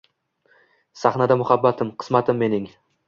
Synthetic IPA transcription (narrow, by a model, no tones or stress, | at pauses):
saχnad̪amʊhabːat̪ʰɪmqʰɨ̥smat̪ʰɪmːe̞nɪŋ